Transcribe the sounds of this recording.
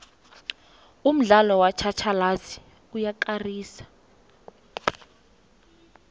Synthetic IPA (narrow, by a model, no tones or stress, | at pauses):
um̩ɮalɔwat͡ʃʰat͡ʃʰalazi̥ | ujaǃariːsḁ